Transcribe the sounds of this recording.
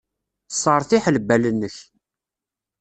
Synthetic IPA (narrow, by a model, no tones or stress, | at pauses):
sˤːəɾˤθiħləbːælənːəç